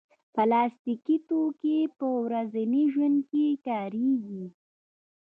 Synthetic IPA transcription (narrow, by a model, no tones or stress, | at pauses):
pəlɑːst̪ikit̪okepəwɾazaniʒwand̪̚kekɑːɾeɡi